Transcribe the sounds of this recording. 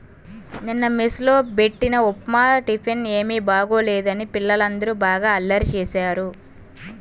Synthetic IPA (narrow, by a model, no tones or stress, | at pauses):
ninːɐmislo̞ːbe̞ʈːinɐopmaːʈipʰine̞ːmiːbaːɡo̞ːleːd̪ɐnipilːɐlɐnd̪ɐɾubaːɡaːɐlːɐɾt͡ʃɛːsaːɾu